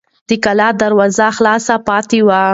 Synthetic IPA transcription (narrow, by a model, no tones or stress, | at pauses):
d̪̥əkalɑd̪aɾwɑzaxlɑsapɑt̪iwa